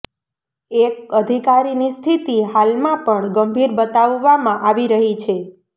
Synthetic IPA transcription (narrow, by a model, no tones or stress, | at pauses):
ek̚əd̪ʱikaɾinist̪ʰit̪iɦalmãpəɳɡəmbʱiɾbət̪aʋːamãʔaʋiɾəɦit͡ʃʰe